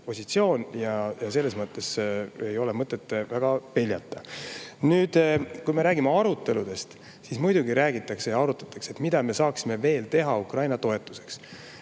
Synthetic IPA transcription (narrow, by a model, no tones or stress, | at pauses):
po̞sʲit̪sio̞ːnjɑjɑse̞lːe̞smɤt̪ːˑe̞sejo̞le̞mɤt̪ːˑe̞t̪ːˑvæɡ̥ɑpe̞lʲjɑt̪ːˑɑnyːd̪̥kujme̞ɾæːɡimeɑɾut̪ːˑe̞lud̪̥e̞st̪ | sismujd̪̥uɡiɾæːɡit̪ːˑɑkse̞jɑɑɾut̪ːˑɑ̥t̪ːˑɑ̥kset̪ːˑmid̪ɑme̞sɑːksime̞ve̞ːlt̪e̞ɦɑukrɑjnɑt̪o̞e̞t̪ːˑu̥se̞̥ks